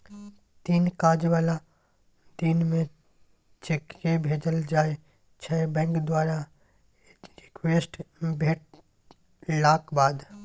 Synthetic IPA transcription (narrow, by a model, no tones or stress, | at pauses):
t̪iːnkaːd͡ʒʋala | d̪iːnmẽ | t͡ʃekɾebʱeːd͡ʒəld͡ʒaːe | t͡ʃʰɛbɛ̃ːŋkd̪waːɾa | ɾɪkʋeːsʈbʱeːʈ̚ | laːkbaːd̪